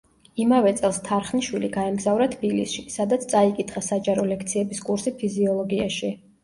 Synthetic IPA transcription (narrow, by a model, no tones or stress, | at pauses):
imavɛt̪sʼɛlˠst̪ʰaɾχniʃwiliɡaɛmɡzavɾat̪ʰb̥ilḭsʃisad̪at̪sʰt̪sʼaikʼit̪ʰχasad͡ʒaɾɔlɛkʰt̪sʰiɛbiskʼuɾsipʰiziɔlˠɔɡiaʃi